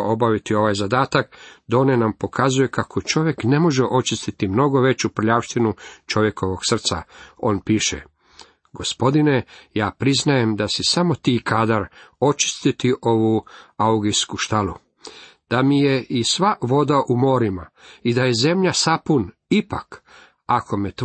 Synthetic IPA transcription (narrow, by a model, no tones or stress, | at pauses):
o̞baʋit̪io̞ʋajzad̪aːt̪akd̪o̞ːnenampo̞kʰazuje̞kakʰo̞t͡ʃo̞ʋje̞kne̞mo̞ʒeʔo̞t͡ʃist̪it̪imno̞ɡo̞ʋet͡ʃupr̩ʎaʋʃt̪inut͡ʃo̞ʋje̞ko̞ʋo̞ɡ̥sr̩t̪sa̰o̞ːnpiːʃḛ | ɡo̞spo̞d̪ine̞jaːpɾiznaje̞md̪asisamo̞t̪iːkʰaːd̪aɾo̞t͡ʃi̥st̪it̪iʔo̞ʋuauɡijskuʃt̪alu | d̪̥amije̞ʔisʋaʋo̞d̪aʔumo̞ːɾimaid̪aje̞ze̞mʎasapun | ipak | akʰo̞met̪